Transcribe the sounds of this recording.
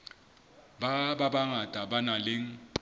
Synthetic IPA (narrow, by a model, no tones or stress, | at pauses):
bababaŋatʼabanalɪŋ̩